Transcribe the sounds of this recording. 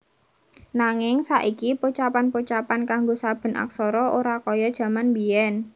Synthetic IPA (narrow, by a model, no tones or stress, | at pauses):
naŋɪŋsaʔikiput͡ʃapanput͡ʃapankaŋɡosab̥ə̤na̰ksɔɾɔʔoɾakɔjɔd̥ʒ̥ä̤manbiɛn